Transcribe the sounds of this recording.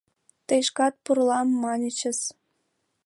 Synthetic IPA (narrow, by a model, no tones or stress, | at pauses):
t̪ejʃkɑt̪̚purlɑmːɑnʲət͡ɕə̆s